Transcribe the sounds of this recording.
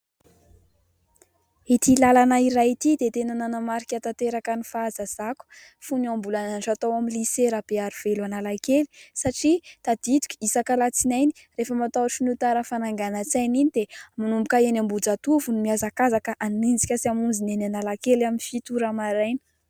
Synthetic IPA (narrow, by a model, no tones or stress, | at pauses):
it̪ilalanaiɾait̪id̪et̪enananamaɾikʲat̪at̪eɾakənifazaz̥aku̥ | funiambulananʈ͡ʂat̪awamiliseɾab̥eaɾiv̥eluanalakeli̥saʈ͡ʂit̪ad̪it̪u̥kʲi̥isakalat͡sinajni̥ | refəmat̪awaʈ͡ʂinut̪aɾəfanaŋɡanat͡sajninid̪emanumbukaenambud͡zat̪uvunimiazakazakəʔanend͡zikʲəsiamund͡zinenanalakelaminfit̪uɾamaɾajni̥